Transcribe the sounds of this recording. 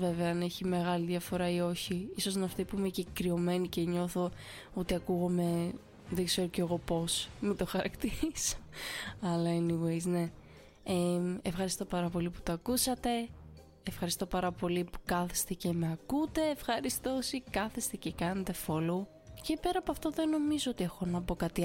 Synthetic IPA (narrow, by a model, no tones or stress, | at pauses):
ve̞veɐɐneçime̞ɣɐliðʝɐfo̞ɾɐio̞çiiso̞znɐft̪ipuimecikɾio̞me̞niceɲo̞θo̞ | ot̪iɐkuɣome̞ | ðe̞ɡze̞ɾoceɣo̞po̞smid̪o̞xɐɾɐkt̪iɾiso̥ɐlɐiniveizne̞ | eefxɐɾist̪o̞pɐɾɐpo̞lipu̥t̪oɐkusɐt̪e̞ː | fxɐɾist̪o̞pɐɾɐpo̞lipu̥kɐθe̥st̪ece̞meɐkut̪e̞ːfxɐɾist̪osikɐθest̪e̞cekɐnet̪e̞folo | ce̞pe̞ɾɐːpoɐft̪oðe̞no̞mizoot̪iexo̞nɐpo̞kɐt̪i